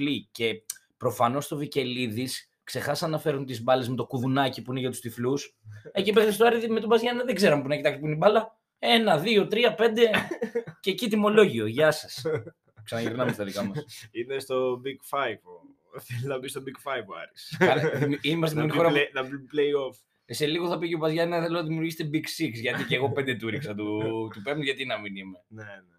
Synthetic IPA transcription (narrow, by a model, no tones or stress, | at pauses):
lice̞pɾo̞fɐno̞st̪o̞vice̞liðis | kse̞xɐsɐnɐfe̞ɾunt̪izbɐlezmet̪o̞kuðunɐcipuine̞ʝɐt̪u̥st̪iflusecipext̪est̪oɐɾiðme̞t̪obɐzʝɐnɐðeɡze̞ɾɐmepunɐcit̪ɐkspuinibɐlɐ | e̞nɐðio̞t̪ɾiɐpe̞nd̪e̞cecit̪imo̞lo̞ʝio̞ʝɐsɐs | ksɐnɐʝiɾnɐmest̪ɐðikɐmɐinest̪o̞biɡfɐjvo | θeliznɐbist̪obikfɐjvɐ̰ɾisɐlðiminimɐst̪imonixoɾɐnɐplejof | se̞liɣo̞θɐpiceobɐzʝɐnɐθe̞lonɐðimiuɾʝist̪ebiksiksʝɐt̪iceɣo̞pe̞nd̪et̪uɾiksɐt̪ut̪upemnt̪ʝɐt̪inɐminime̞nene